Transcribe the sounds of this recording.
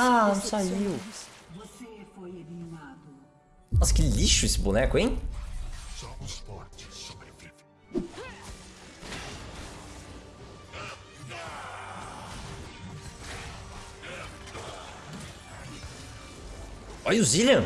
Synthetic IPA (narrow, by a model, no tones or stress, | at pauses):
anõsaiwvosefojnimad̪ʊ | ɔsɪ̥kɪliʃʊesɪbunɛkʊẽj̃ | sɔspɔɾt͡ʃ | ɔjʊzilɐ̃